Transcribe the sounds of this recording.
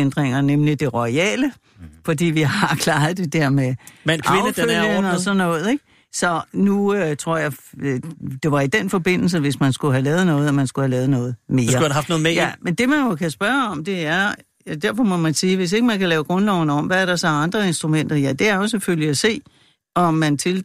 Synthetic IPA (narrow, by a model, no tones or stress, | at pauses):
end̥ʁeŋ̰ɐnemlid̥e̝ʁɒiɛ̰ːlə | fɒ̽d̥ḭːʋiɦɑ̈kʰlɑ̈ːð̩ˠd̥e̝d̥eɐ̰memænkɑeʊəfølənɒsɒ̽nnɔ̽ːð̩ˠe̝ɡ̥ | sɒ̽nuøt͡sʰʁo̝ɐ̰jɑ̈ɪ | d̥e̝ʋɑ̈id̥enfɒ̽b̥e̝n̰l̩s̬əʋe̝smænsɡ̥uɦælɛːð̩ˠnɔ̽ːð̞̩ˠɒmænsɡ̥uhælɛːð̩ˠnɔ̽ːð̞̩ˠme̝ːɐduɑfd̥noːð̩mejæmend̥e̝mænjo̝kʰæsb̥ɶɐɒ̽md̥e̝æɐ | d̥æɐfɒ̽mɒ̽mænsiːʋe̝s̬e̝ɡ̥əmænkælɛːʊɡ̥ʁɔ̽nlɒʊ̰nəɒ̽mʋææɐɾ̥ɑ̈sɒ̽ɑ̈nd̥ʁɐe̝nsd̥ʁumen̰d̥ɐjæd̥e̝æɐjo̝seføliæse̝̰ː | ɒ̽mːænt͡sʰe̝l